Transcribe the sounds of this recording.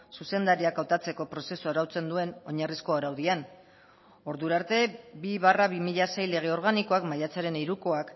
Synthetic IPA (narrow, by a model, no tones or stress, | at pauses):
suse̞nd̪aɾiakawt̪at͡se̞ko̞pɾo̞se̞suaɾawt͡se̞nd̪ue̞no̞ɲarisko̞aɾawðian | o̞ɾðuɾaːɾt̪e̞biβaraβimiʎase̞jle̞ɣ̞e̞o̞ɾɣ̞aniko̞akmaʎat͡saɾe̞niɾuko̞ak